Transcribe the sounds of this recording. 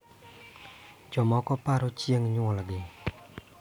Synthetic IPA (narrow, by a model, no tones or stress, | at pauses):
t͡ɕomakopaɾot͡ɕijaŋɲoŋwalaɡi